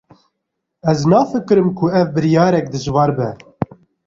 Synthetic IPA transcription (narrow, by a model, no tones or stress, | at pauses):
ɛznɑːfɨkɨɾɨmkʰʊɛvbɨɾjɑːɾɛk̚d̪ɨzwɑːɾbɛ